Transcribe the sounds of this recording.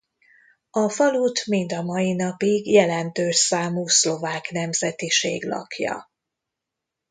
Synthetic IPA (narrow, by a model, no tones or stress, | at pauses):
ɒfɒluːt̪mind̪ɒmɒjinɒpiɡjɛlɛnt̪øːʃsaːmuːslo̞vaːknɛmzɛt̪iʃḛːɡlɒ̰kjɒ̰